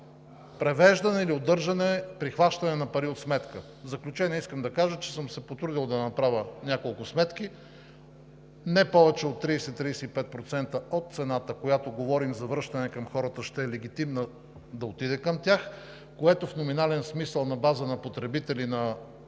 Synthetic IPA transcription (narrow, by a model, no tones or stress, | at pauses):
pɾɛvɛʒd̪ɐnɛiliod̪ɤɾʒɐnɛpɾixvaʃt̪ɐnɛnɐpɐɾiot̪smɛt̪kə | zɐklʲut͡ʃɛniskəmd̪ɐkaʒət͡ʃɛ̥səmsɛpot̪əɾd̪ilˠd̪ɐnɐpɾavʲənʲakolˠkʊsmɛt̪k̟i | nɛpɔvɛt͡ʃɛot̪ːɾiːsɛt̪ːɾijsɛipɛt̪̚pɾot̪sɛnt̪əot̪̚t̪sɛnat̪əkojat̪oɡovɔɾimzɐvɾɤʃt̪ɐnɛkɐmxɔɾət̪əʃt̪ɛɛlɛɡ̟it̪imnə | d̪ɐot̪id̪ɛkəmt̪ʲjax | koɛt̪ofnominalɛnsmisəlˠnɐbazənɐpot̪ɾɛbit̪ɛlinɐ